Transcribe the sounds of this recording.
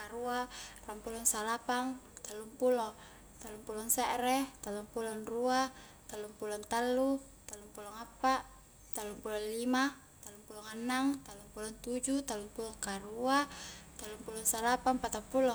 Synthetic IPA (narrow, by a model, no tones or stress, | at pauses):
aɾuarampulɔŋsalapaŋt̪alːumpulɔ | t̪alːumpulɔŋsɛʔɾɛt̪alumpulɔnrua | t̪alːumpulɔnt̪alːu | t̪alːumpulɔŋapːaʔ | t̪alːumpulɔnlima | t̪alumpulɔŋanːaŋt̪alːumpulɔnt̪ud͡ʒut̪alumpulɔŋkaɾuat̪alːumpulɔnsalapaŋpat̪ampulɔ